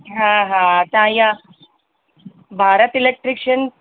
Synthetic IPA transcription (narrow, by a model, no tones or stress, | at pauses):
ɦãɦãt̪ãja | bʱaɾət̪ilek̚ʈɾikʂən